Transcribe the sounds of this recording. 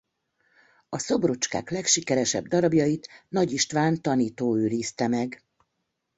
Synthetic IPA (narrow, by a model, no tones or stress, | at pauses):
ɒso̞brot͡ʃka̰ːklɛkʃikɛɾɛʃɛ̰bd̪ɒɾɒbjɒjit̪nɒɟiʃt̪ʋaːnt̪ɒniːt̪oːøːɾiːst̪ɛmɛɡ